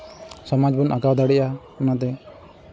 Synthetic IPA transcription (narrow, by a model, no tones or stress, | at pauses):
sɔmad͡ʒbunʔaɡawd̪aɽɛʔa | ɔnat̪̬ɛ